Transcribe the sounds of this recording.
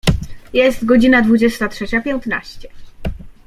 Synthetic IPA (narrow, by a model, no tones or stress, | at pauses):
jɛst̪ɡɔd͡ʑinad̪vud͡ʑɛst̪atʂɛt͡ɕapʲjɛñt̪na̰ɕt͡ɕɛ